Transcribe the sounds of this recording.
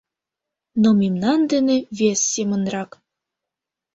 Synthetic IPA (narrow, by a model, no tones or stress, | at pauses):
nomimnɑnd̪eneβesːemə̆nrɑk